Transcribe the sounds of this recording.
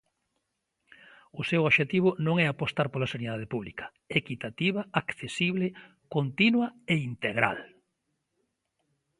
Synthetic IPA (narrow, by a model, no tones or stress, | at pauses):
ʊsewoʃet̪iβʊnõŋɛapost̪aɾpolasaniðaðepuβlikɐ̥ | ekit̪at̪iβɐakθesiβlɪ | kont̪inwɐeint̪eɣɾa̰l